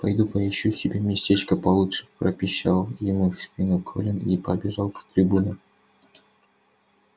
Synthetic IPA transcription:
pɐjd̪upɐɪɕːusʲɪbʲemʲɪsʲtʲet͡ɕkəpɐlˠutʂɨ̥pɾəpʲɪɕːalˠjɪmufsʲpʲinukʰolʲɪnipɐbʲɪʐɑlˠpə̥t̪ɾʲɪbunə

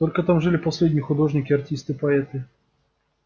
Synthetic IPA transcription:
t̪olʲkət̪amʐɨlʲɪpɐsʲlʲedʲnʲɪjxʊd̪o̞ʐnʲɪkʲɪɐrtʲist̪ɨpɐɛt̪ɨ

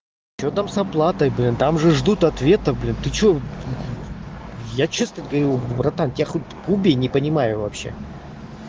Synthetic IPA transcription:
t͡ɕot̪amsɐplˠat̪əjblʲint̪amʐɨʐd̪ut̪ɐt̪vʲe̞t̪əblʲint̪ɨt͡ɕo | jat͡ɕesnət̪ʲɡəvəɾʲubrɐt̪antʲɪjʲaxot̚ʲkubʲɪnʲɪpənʲɪmajʊvɐpɕːḛ

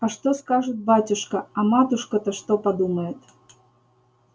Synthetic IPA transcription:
ɐʂt̪oskaʐɨt̪̚batʲʊʂkɐɐmat̪ʊʂkət̪ɐʂt̪opad̪uməjɪt̪

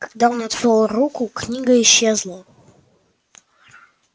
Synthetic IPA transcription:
kɐ̥ɡ̚d̪aonɐt̪vʲolˠrukʊknʲiɡəɪɕːezlˠə

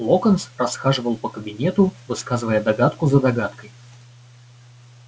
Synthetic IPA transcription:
lˠokənsrɐsxaʐɨvəlˠpəkəbʲɪnʲet̪ʊvɨskazɨvəjəd̪ɐɡat̪kʊzəd̪ɐɡat̪kəj

